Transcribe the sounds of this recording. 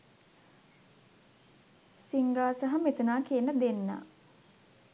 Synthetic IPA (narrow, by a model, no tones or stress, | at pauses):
siŋɡaːsaɦɐmet̪unaːkijənəd̪enːa̰ː